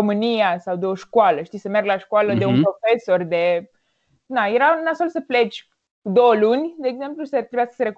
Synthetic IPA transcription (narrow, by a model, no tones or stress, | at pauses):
omɨnijasawd̪e̞o̞ʃkwaləʃt̪isəme̞rɡlaʃkwaləd̪eunppɾo̞fe̞so̞rd̪e | najeɾanasfelsəple̞t͡ʃʲ | kud̪o̞wəlunʲd̪e̞ːɡze̞mplusət̪ɾebujasə̥səeɾek